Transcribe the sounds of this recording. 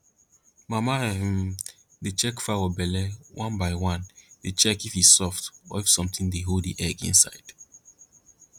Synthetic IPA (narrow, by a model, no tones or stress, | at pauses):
mamaɛm | det͡ʃɛkfawəbɛlɛwʔãnbaɪwãndet͡ʃɛkifhi̥sɔftɔ̰ifsɔ̃mtĩŋdeɦoldḭʔɛɡḭ̃nsa̰ɪd̥